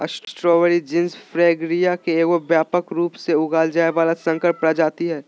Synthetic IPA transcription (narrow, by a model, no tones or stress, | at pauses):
ɐ̰ssʈɾɔːʋəɾid͡ʒɪnsfɾeːɡɾijakeekobjaːpəkɾuːpseʊɡaːld͡ʒaːeʋaːlasɐ̃ŋkəɾpɽad͡ʒaːt̪iɦɛː